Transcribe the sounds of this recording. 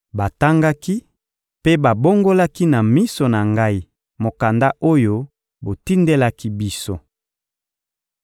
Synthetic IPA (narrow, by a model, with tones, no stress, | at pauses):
ba˨ta˦ŋɡa˦ki˦ | pe˦ba˨bo˦ŋɡo˦la˦ki˦na˨mi˦so˨na˨ŋɡa˦i˦ | mo˨ka˨nda˦ʔo˦jo˦ | bo˨ti˦nde˦la˦ki˦bi˦so˦